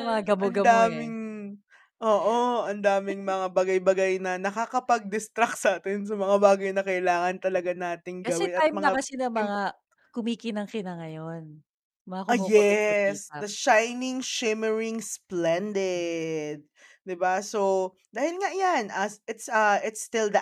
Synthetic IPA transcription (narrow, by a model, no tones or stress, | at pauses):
mɐŋaɡɐmɐnɡɐd̪aːmɪŋ | ʔoːʔoɐnd̪aːmɪŋmɐŋabɐɡajbɐɡajnɐnɐkakɐpɐɡ̚d̪ɪst̪ɾaksaːt̪ɪns̬ɐmɐŋabaːɡɐjnɐkɐʔɪlaːŋɐnt̪ɐlɐɡanaːt̪ɪŋɡɐɐwɛɪnɐajmɐɐakɐsɪnɐmɐŋa | kʊmiːkɪnɐŋkɪnɐŋɐjon | mɐŋakjɛsd̪ɐʃajnɪŋʃɪmɛɹɪŋsplɛnd̪ɛd̪̚ | d̪ɪbaso | d̪aːhɪlŋaʔjanʔɐɪt̪sɐʔɪt̪st̪ɪld̪ɐ